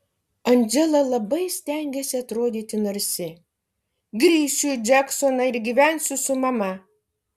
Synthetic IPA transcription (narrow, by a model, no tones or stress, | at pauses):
ɐnʲd͡ʒʲɛlˠɐlˠɐbɐɪsʲt̪ʲæŋʲɡʲɛsʲɪɐt̪ɾoːd̪ʲiːt̪ʲɪnɐɾʲsʲɪ | ɡɾʲiːʃʲʊd͡ʒʲæksonɐɪɾɡʲiʋʲænʲsʲʊsʊmɐmɐ